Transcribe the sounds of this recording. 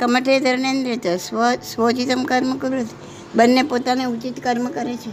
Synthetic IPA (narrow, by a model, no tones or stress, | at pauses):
kəməʈed̪ʱəɾnẽnd̪ɾet̪əsʋsʋot͡ʃit̪əmkəɾməkəɾuɦət̪i̥ | bənːepot̪aneut͡ʃit̪kəɾməkəɾet͡ʃʰe